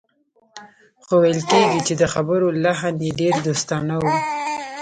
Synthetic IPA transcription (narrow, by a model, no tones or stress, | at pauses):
xowajəlkeɡit͡ʃed̪əxabəɾolaɦanjeɖeɾd̪ost̪ɑnawi